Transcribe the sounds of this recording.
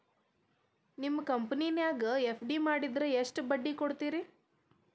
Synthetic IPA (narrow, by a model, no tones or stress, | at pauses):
nimːɐkɐmpɐninjaːɡɐepʰɖimaːɽid̪ɾeeʂʈbɐɖːikoɽt̪iːɾi